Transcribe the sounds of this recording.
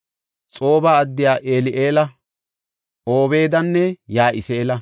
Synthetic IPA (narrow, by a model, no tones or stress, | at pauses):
t͡sʼo̞ːbaːɐd̪ːɪjaːʔeːlɪʔeːlɐ | ʔoːbe̞ːd̪ɐnːɛjaːʔɪseːlɐ